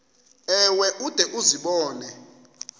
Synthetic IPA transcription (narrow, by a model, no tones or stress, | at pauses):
ɛwɛʔud̥ʱɛʔuziɓɔːnɛ